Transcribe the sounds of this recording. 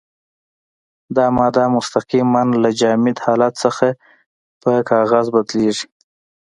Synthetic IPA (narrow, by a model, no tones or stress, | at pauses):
d̪ɑmɑd̪ɑmʊst̪aqimanlad͡ʒɑmɪd̪hɑlat̪səxa | pəkʰɑɣazbad̪leʐi̥